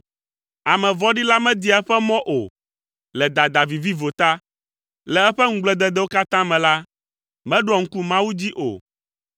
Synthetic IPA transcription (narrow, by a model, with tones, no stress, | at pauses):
a˨mɛ̃˨vɔ˦ɖi˦la˦mɛ̃˦d̪i˦a˨ɛ˦ɸɛ˦mɔ̃˦ʔo˨ | lɛ˨d̪a˨d̪a˨vi˨vi˦vo˨t̪a˦ | lɛ˨ɛ˦ɸɛ˦ŋ̩˦ɡ͡blɛ˦˨d̪ɛ˦d̪ɛ˦wo˦ka˦t̪ã˦mɛ̃˨la˦ | mɛ̃˦ɖɔ˨ŋ̩˦ku˦mã˦wu˦d͡ʑi˦ʔo̰˨